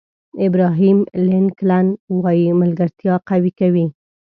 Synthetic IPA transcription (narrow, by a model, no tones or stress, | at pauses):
ɪbɾɑɦimlɪnklanwɑjimalɡaɾt̪jɑqawikawi